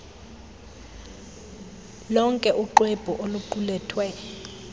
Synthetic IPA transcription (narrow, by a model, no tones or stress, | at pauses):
lɔŋkʼɛʔuǃweb̥ʱuʔoluǃulɛːtʰwɛ